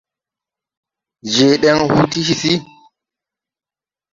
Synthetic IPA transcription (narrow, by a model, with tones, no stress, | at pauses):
ʒe˨ɗe˦ŋhu˦ti˦ʃi˨si˦